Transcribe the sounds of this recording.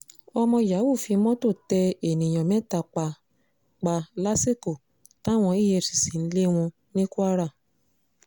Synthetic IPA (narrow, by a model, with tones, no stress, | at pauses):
ɔ˧mɔ̃˧ja˨˦wu˦˨fi˧mɔ̃˦to˦˨tɛ˧e˨nĩ˨j̃ɔ̃˨mɛ̃˦ta˧˨k͡pa˧ | k͡pa˧la˦si˦ko˦˨ | ta˦w̃ɔ̃˧i˦˨jɛ˧˨si̥˨si˨˦n̩˦le˦w̃ɔ̃˧ | nĩ˦ku˦a˦ɾa˦˨